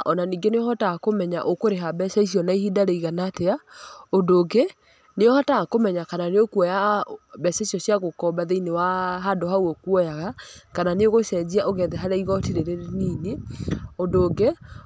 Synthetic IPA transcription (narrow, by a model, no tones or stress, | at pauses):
ɔnaniːŋɡeneɔhɔtakomɛɲa̰ʔokoɾeɦabɛses̬iɔnaihidaɾeiɣanateaodoːɡe | neɔhatakomɛɲakananeokuwɛjabɛsesiɔsiaɣokɔbaðeinewaɦadohawɔkwɔjaɣakananeoɣosɛd͡ʑiaʔoɣɛðɛɦaɾaiɣɔtiɾeɾeɾnineondoːɡe